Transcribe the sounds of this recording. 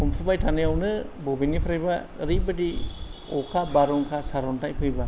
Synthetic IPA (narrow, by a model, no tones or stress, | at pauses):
pʰumpʰubajtʰanɯjawnɯbɔbinipʰɾajba | ɾibɯdi | ɔkʰabaɾɔŋkʰasaɾɔntajpʰɯjba